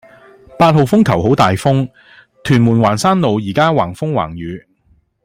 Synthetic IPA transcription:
paː˧t̚ho˨wfʊ˥ŋkʰɐ˨˩wɦo˨˥wt̪aː˨jfʊ˥ŋ | t̪ʰyː˨˩nmuː˨˩nwaː˨˩nsaː˥nlo˨wjiː˨˩kaː˥waː˨˩ŋfʊ˥ŋwa̰ː˨˩ŋjyː˨˧

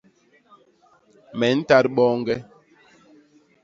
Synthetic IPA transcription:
mɛ˨˦n̩˦ta˦ɾɓɔː˦ŋ˦ɡɛ˦

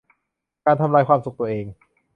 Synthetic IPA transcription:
kaː˧nt̪ʰa˧mlaː˧jkʰwaː˧msu˨˩k̚t̪u˧ɐʔeː˧ŋ

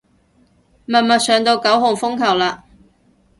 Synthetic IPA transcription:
mɐ˨nmɐ˨t̚sœː˨ŋt̪o˧wkɐ˨˥wɦʊ˨ŋfʊ˥ŋkʰɐ˨˩wlaː˧

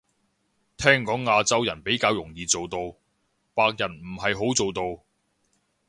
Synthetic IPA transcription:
t̪ʰɛː˥ŋkɔː˨˥ŋːaː˧t͡sɐ˥wjɐ˨˩npe˨˥jkaː˧wjʊ˨˩ŋjiː˨t͡so˨wt̪o˧w | paː˧k̚jɐ˨˩nm̩˨˩ɦɐ˨jɦo˨˥wt͡so˨wt̪o˧w

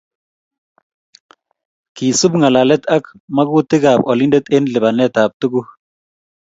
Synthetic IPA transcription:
ki˨su˦bŋa˨la˨lɛ˦t̪a˦kma˦ku˦tɪ˦ɡa˨pɔ˨li˦ndɛ˦t̪ɪ˦nlɪ˨ba˨nɛ˦ta˨p̚tu˦ɡu˦

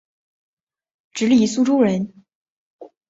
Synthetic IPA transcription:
ʈ͡ʂɻ̩˧˥li˥˩su˥˧ʈ͡ʂu˥ɻə˧˥n

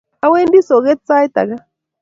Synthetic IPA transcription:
a˦we˦ndi˦so˨ɣɛ˦t͡sa˦jt̪a̰˨ɣa˦

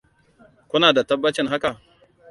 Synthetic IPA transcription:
kʷʊ˦naː˨da˨tɐ˦bːa˦t͡ʃɪ˦nɦa˦ka˨

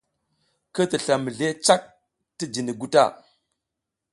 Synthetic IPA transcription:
kə˦ti˨ɬa˨mə˨ɮe˦t͡ʃa˦k̚ | ti˦d͡ʒi˨ni˨ɡu˦ta̰˦˨

